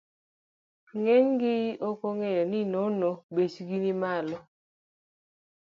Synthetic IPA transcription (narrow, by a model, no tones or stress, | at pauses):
ŋeŋɡɪokoŋejɔnɪnonobet͡ʃɡinimalɔ